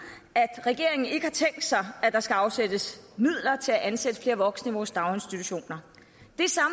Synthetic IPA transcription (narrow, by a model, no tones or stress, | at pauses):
æd̥ʁɛɡ̥e̝ɐe̝ŋn̩e̝ɡ̥əhɑ̈t͡sʰeŋ̰ɡd̥sɑ̈ɪæd̥ɑ̈sɡ̥æɑ̈ʊsed̥əsmið̰ˠlɐt͡sʰe̝læʔænsed̥ə̥fle̝ːɐʋɒ̽ɡ̥sniʋɒːsd̥ɑ̈ʊe̝nsd̥it͡sʰuɕo̝̰ːnɐ | d̥e̝sɑ̈m